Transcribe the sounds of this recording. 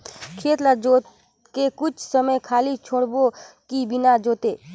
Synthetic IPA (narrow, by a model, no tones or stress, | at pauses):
kʰeːt̪lad͡ʒoːt̪ | kekʊt͡ʃʰsəməjkʰaːlit͡ʃʰoːɽbokibɪnad͡ʒoːt̪eː